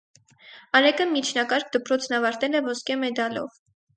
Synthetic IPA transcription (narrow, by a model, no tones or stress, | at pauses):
ɑɾɛkəmit͡ʃʰnɑkɑɾk̚ʰd̪əpɾɔt͡sʰnɑvɑɾt̪ɛlɛvɔskɛmɛd̪ɑlɔ̰v